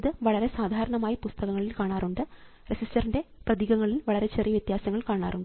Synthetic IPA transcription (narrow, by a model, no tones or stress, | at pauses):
ðɨʋɐɭɐɾe̞saːd̪ʱaːɾɐɳɐmaːjipust̪ɐɣɐŋːɐɭilkaːɳaːɾuɳɖɨ | resistɐrinde̞prɐðiːɣɐŋːɐɭilʋɐɭɐɾe̞t͡ɕerijɐʋjɐt̪jaːsɐŋːɐɭkaːɳa̰ːruɳɖɨ